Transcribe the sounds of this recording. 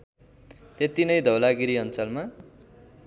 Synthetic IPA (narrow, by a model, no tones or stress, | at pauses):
t̪et̪inʌjd̪ʱʌwlaɡiɾiʌnt͡sʌlma